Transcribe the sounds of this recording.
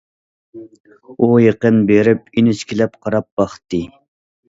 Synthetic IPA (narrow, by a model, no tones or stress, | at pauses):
ujeqənbeɾɪp̚inɪt͡ʃkʲʰilɛp̚qʰɑɾɑp̚b̥ɑχt̪ːɨ